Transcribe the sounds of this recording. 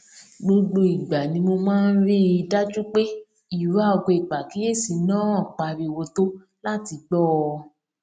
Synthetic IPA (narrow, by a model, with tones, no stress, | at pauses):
ɡ͡bo˧ɡ͡bo˧i˨ɡ͡ba˨nĩ˧˦mo˧mãː˦˧n̩˦ɾi˦˧da˦d͡ʒu˦k͡pe˦ | i˦˨ɾa˦˨ɔ˧ɡo˧i˨k͡pa˨ki˨˦je˦˨si˨nãː˦˨k͡pa˧ɾi˧wo˧to˦ | la˦ti˧ɡ͡bɔ˦˧